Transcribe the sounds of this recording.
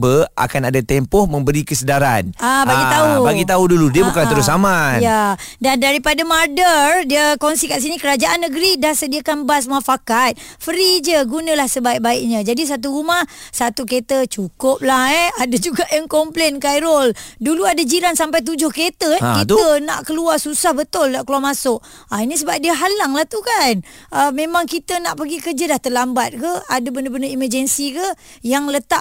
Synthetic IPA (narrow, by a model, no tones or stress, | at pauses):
bəa̰kanadat̪empɔhmə̃mbəɾikəsədaɾa̰nabaɡit̪aubaɡit̪auduludiəbukanəɾʊsamãjadandaɾipadamardərdiəkonsikaʔs̬inikəɾad͡ʒaʔanːəɡəɾidahsədiakanbas̬mãfakat̪̚ | fəɾid͡ʒəɡunə̃lahsəbaiʔ̚baɪk̚ɲãd͡ʒadis̬at̪̬uɾumahsat̪uket̪ət͡ʃukʊp̚lahɛadad͡ʒuɡaʔjaŋkɔmplenkajɾolduluadad͡ʒiɾansampajt̪̬ud͡ʒʊhket̪əkit̪əna̰ʔkəluarsusahbət̪ʊldaʔkəluamasʊʔ | ainis̬əbap̚diəɦalaŋlaht̪ukan | əmemaŋkit̪ənaʔpəɡikəd͡ʒəlaht̪əlambat̪̚kəadəbəndəbəndəiməd͡ʒənsikəjaŋlət̪a